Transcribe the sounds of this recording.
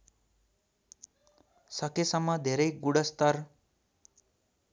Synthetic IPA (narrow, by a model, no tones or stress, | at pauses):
sʌkesʌmːʌd̪ʱeɾʌjɡuɽʌst̪ʌr